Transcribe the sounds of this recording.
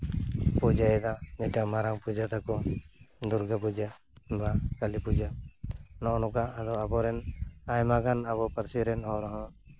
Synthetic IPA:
pud͡ʒaɛd̪ad͡ʒɛʈamaɾaŋpud͡ʒat̪akɔd̪uɾɡapud͡ʒa | bakalipud͡ʒanɔnɔkaad̪ɔabɔɾɛnajmaɡanaβɔpəɾsiɾɛnhɔwɾɔɦɔ̃

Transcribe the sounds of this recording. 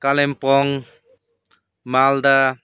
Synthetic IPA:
kalɛmpɔŋ | mald̪a

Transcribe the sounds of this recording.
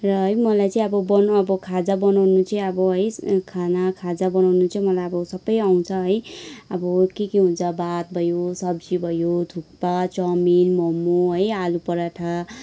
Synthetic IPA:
rʌɦʌjmʌlajt͡saĩʌbʌbʌnʌbʌkʰad͡zabʌnawnut͡sʰiĩʌbʌɦʌjkʰanakʰad͡zabʌnawnut͡sʰʌmʌlajʌbʌsʌbʌjaw̃t͡sʰʌɦʌjʌbʌkekeɦunt͡sʰʌbat̪̚bʱʌjosʌbd͡zibʱʌjot̪ʰuk̚pat͡sʌminmʌmːuɦʌjalupʌɾaʈʰa

